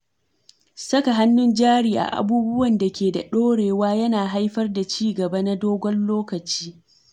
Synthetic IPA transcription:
sɐ˦ka˨ɦa˦nːʊ˦nd͡ʒaː˦ɽiː˨ʔa̰˨ʔa̰˨buː˦bʊ˦wɐ˨nda˨kʲeː˨da̰˨ɗoː˦ɽeː˨waː˦jɐ˦naː˨ɦa˦jɸɐ˦rda˨t͡ʃiː˦ɡɐ˨ba˦na˦doː˦ɡʷɔ˦nloː˦kɐ˨t͡ʃiː˦

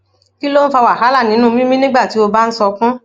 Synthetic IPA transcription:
ki˦lo˦n̩˦fa˧wa˨ɦa˨˦la˦˨nĩ˨˦ũ˦˧mĩ˦mĩ˦nĩ˦ɡ͡ba˦˨ti˨˦o˧ba˦n̩˦sɔ˧kũ˦

